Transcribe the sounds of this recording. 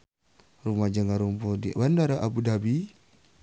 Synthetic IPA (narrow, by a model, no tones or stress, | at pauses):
rumad͡ʒaŋaɾumpɔdiwandaɾaʔabudabi